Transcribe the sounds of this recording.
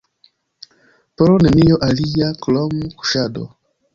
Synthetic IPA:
poɾonenijoʔalijaklomuku̥ʃado̰

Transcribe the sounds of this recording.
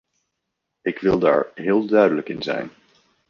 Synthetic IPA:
ɪkʋɪlˠda̰ːɹɦɪːlˠdœɥdələkɪnzɛ̰jn

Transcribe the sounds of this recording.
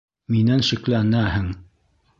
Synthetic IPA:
minænʃɘ̆klænæɦɘŋ

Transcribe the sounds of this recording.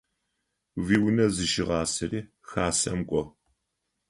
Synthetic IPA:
viːwnɐzɨʃɪʁɑːsɨriː | xaːsɐmkʷʼɔ

